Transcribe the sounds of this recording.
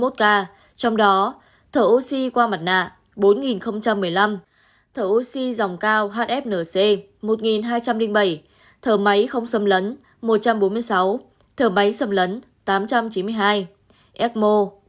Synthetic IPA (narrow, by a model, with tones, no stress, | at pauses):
o˦˥t̚kaː˧ | t͡ɕɔ˧wŋ͡mɗɔ˨˦ | t̪ʰəː˧˨˩ʔo˧si˧kwaː˧ma˨˩t̚na̰ː˧˨ʔ | ɓo˨˦nŋi˨˩nxə˧wŋ͡mt͡ɕa˧mːɨ˨˩əjla˧m | t̪ʰəː˧˩ʔo˧si˧za˨˩wŋ͡mkaː˧wɦaː˦˥t̚ʔɛ˦˥p̚nəː˧˩se˧ | mo˨˩t̚ŋi˨˩nɦaː˧jt͡ɕa˧mlï˧ŋɓə˧˩j | t̪ʰəː˧˩ma˨˦jxə˧wŋ͡msə˧mlə˨˦n | mo˨˩t̚t͡ɕa˧mɓo˨˦nmɨ˧əjsa˨˦w | t̪ʰəː˧˩ma˨˦jsə˧mlə˨˦n | t̪aː˨˦mt͡ɕa˧mt͡ɕi˨˦nmɨ˧əjɦaː˧j | ʔɛ˦˥t̚mo˧